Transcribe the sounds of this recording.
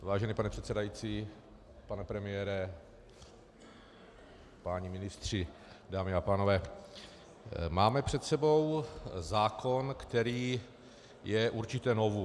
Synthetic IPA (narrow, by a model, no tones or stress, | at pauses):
vaːʒɛniːpanɛpr̝ɛt̪sɛdajit͡siː | panɛpɾɛmɪjɛːɾɛ | paːɲimɪnɪst̪r̝̥ɪ | daːmɪapaːno̞vɛː | maːmɛpr̥ɛt̪sɛbo̞wzaːkʰo̞nkt̪ɛɾiː | jɛʔuɾt͡ʃɪt̪ɛno̞vu